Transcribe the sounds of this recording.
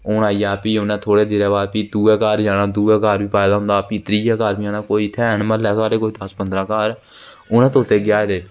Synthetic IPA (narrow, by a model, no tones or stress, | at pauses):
ʊːnaːiːaːpiːʊnɛ̃ːt̪ʰoːɽeːd̪eːɾɛːβaːd̪piːd̪uːɛːkaːɾd͡ʒaːnaːd̪uːɛːkaːɾʋiːpaːɪd̪aːɦʊ̃nd̪aːpiːt̪ɾiːɛːkaːɾbiːd͡ʒaːnãːkoːiːt̪ʰɛːnməlɛːsaːɾeːkoːiːd̪əspənd̪ɾãːkaːɾ | ʊnɛ̃ːt̪oʊt̪ʰːeːɡɪjaːed̪eː